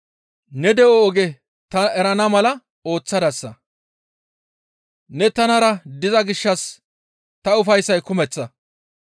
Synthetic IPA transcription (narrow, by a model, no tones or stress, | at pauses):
nɛd̪ɛɔːɡɛ | t̪ɐɛɾɐnɐmɐlɐ | o̞ːt͡sːɐd̪ɐsːɐ̰ | nɛt̪ɐnɐɾɐd̪ɪzɐɡɪʃːɐs | t̪ɐʊfɐjsːɐjkʊmɛt͡sːɐ